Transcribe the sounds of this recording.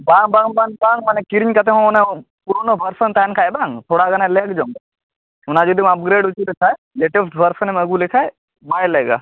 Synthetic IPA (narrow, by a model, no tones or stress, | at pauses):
bãːŋbãːŋbaŋbaːŋmɐnekiɾiɲkɐt̪̬eɦõnẽ | puɾonobʱɐɾsənt̪aːnkʰaːebaːŋt̪ʰoːɽaɡɐnaleːkʰd͡ʒoːm | ʊnãːd͡ʒud̪imɐp̚ɡɾeːɖut͡ʃuɾet̪ʰa | leːʈəsʈʰbʱɐɾsənmɐɡulɪkʰae | baːjleːɡa̰ː